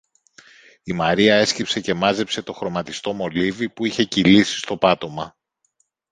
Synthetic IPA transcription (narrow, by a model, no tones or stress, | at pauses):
imɐɾiɐe̞scipse̞ce̞mɐze̞pse̞t̪o̞xɾo̞mɐt̪ist̪o̞mo̞livipuiçe̞cilisi̥st̪o̞pɐt̪o̞mɐ